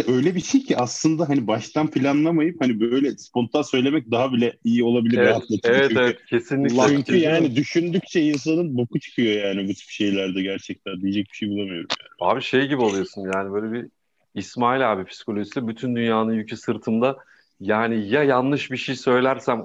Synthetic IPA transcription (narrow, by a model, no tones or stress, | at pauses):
ʔø̞jlʲɛbiʃejcʰiʔaslˠɯnd̪aɦanibaʃt̪ʰanpilʲanlˠamajɯphanibøjlʲɛspo̞nt̪ʰansø̞jlʲe̞mɛc̚d̪aɦabilʲɛijio̞lˠabilʲievɛat̪lˠaevɛt̪evɛt̪cʰe̞sinlʲicyɲyjaːnid̪yʃynd̪yc̚t͡ʃʰɛins̬anɯnbokʰut͡ʃʰɯ̥kʰɯjo̞jaːnibut̪ʰy̥pʃe̞jlʲæɾd̪ɛɟæɾt͡ʃʰɛc̚t̪ʰænd̪ijed͡ʒɛc̚bi̥ʃejbulˠamɯjo̞ɾumjaːa̰ːbiʃe̞jɟibiolˠujo̞sunjaːnibø̞jlʲebiː | smaːilʲaːbipʰi̥si̥ko̞lʲo̞ʒisilɛbyt̪ʰynd̪ynjaːnɯnjycʰisɯɾt̪ʰɯnd̪a | jaːnijajanːɯʃbiʃejsø̞jlʲæɾsæm